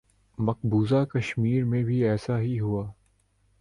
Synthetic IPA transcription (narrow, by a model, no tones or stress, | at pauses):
mɐq̚buːzakɐʃmiːɾmẽbʱiɛːsaɦiɦuaː